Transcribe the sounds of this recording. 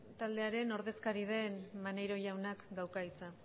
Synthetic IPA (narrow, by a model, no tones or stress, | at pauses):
t̪ald̪e̞aɾe̞no̞ɾð̞e̞skaɾið̞e̞nmane̞jɾo̞ʝawnakɡ̪awkait͡sa